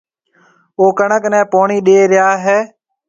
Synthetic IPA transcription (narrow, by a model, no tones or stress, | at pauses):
oːkəɳəknɛ̃ːpoːɳiːɗeːɾɪjaːɦɛː